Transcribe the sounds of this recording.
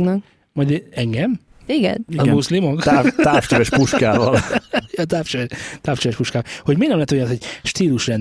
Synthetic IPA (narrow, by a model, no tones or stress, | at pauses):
ɡnɛk | mɒjd̪ɛŋɡɛm | iɡɛ̰niɒzɡmuslimok̪ːt̪afʃɛvɛʃpuʃkaːvɒljɛt̪aːfʃɛʋɛt̪aːfʃt͡ʃɛvɛʃpuʃkaːɔlhoɟminɛmlɛːt̪ojnshoɟʃt̪iːluʃrɛn